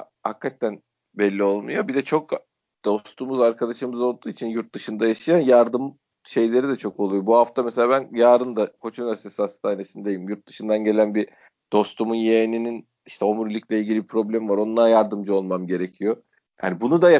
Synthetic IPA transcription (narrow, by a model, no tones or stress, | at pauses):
ha̰kʰːat̪ʰːæn | bɛlʲːio̞lˠmṵjo̞bid̪ɛt͡ʃʰo̞k | d̪̥o̞st̪ʰumuzaɾkʰad̪aʃɯmɯzolˠd̪uːit͡ʃʰinjuɾt̪̚d̪ɯʃɯnd̪ajaʃɯjanjaɾd̪ɯm | ʃe̞jlʲe̞ɾid̪ɛt͡ʃʰo̞ko̞lˠujobuɦaft̪ʰameselʲaːbænjaːɾɯnd̪akʰo̞t͡ʃʰunasesihast̪ʰaːne̞sinid̪ejimjuɾt̪̚d̪ɯʃɯnd̪anɟe̞lʲænbi | d̪̥o̞st̪ʰumunjeːninin | iʃt̪ʰɛo̞muɾilʲiclʲɛilʲɟʲilʲibipʰɾo̞blʲemivaɾo̞nlˠaɾjaɾd̪ɯmd͡ʒɯo̞lˠmamɟe̞ɾecʰijo̞ | ja̰ːnibunud̪a